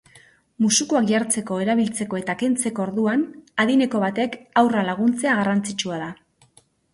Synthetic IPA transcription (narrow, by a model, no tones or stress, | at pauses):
musukuakʝaɾt͡se̞ko̞e̞ɾaβ̞ilt͡se̞ko̞e̞t̪ake̞nt͡se̞ko̞oɾðuanaðine̞ko̞βat̪e̞kawralaɣ̞unt͡se̞aɣarant͡sit͡ʃuaða